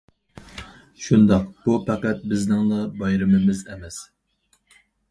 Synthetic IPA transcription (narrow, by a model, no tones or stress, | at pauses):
ʃund̪ɑqb̥upʰæqæt̪̚bɪznɪŋd̪ɑbɑjɾɪmɪmɪzɛmɛs